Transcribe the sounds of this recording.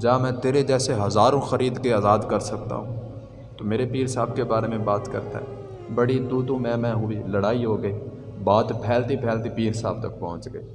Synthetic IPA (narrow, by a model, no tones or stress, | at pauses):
d͡ʒaːmɛ̃ːt̪eːɾed͡ʒɛːseɦɐzaːɾõxəɾiːd̪keaːzaːd̪kəɾsɐk̚t̪a̰ɦũː | t̪oːmeːɾepiːɾsaːbkebaːɾemẽbaːt̪kə̰ɾt̪a̰ɦɛː | bɐɽid̪uːd̪õmɛ̃ːmɛ̃ːɦʊiːləɽaːiɦoːɡəiːbaːt̪pʰɛːlt̪ipʰɛːlt̪ipiːɾsaːb̚t̪ɐk̚pɔɦʊ̃t͡ʃɡəiː